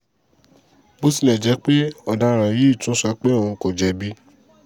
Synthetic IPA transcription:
bo˦si˦nɛ̃˨d͡ʒɛ˨˧˦k͡pe˦ɔ˧˨da˧˦˨ɾ̃ã˨je˦i˦˨tũ˦sa˦k͡pe˦˨ũ˧˨˧ko˨d͡ʒɛ˧˦bi˦

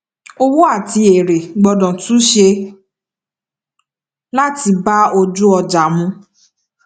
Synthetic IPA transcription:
o˧wu˦a˦˨ti˧e˨ɾe˨ɡ͡bɔ˧dɔ̃˨tu˨˦ʃe˧ | la˦ti˧ba˦o˧d͡ʒu˦ɔ˧d͡ʒa˨mũ˧

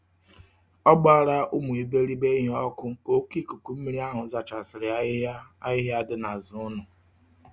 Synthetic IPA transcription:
ɔ˦ɡ͡ba˦˨ɾa˦ʔʊ˦mu˨i˨be˦ɾi˦be˦ɦɔ˦kʊ˦o˦ki˦˨ku˨ku˨m̩˦mi˦ɾi˦a˦ɦʊ˨˦za˨t͡ʃa˨sɪ˨ɾɪ˨˦a˦ɪ˦ɦɪ˦a˦dɪ˦na˨zʊ˦nʊ˨

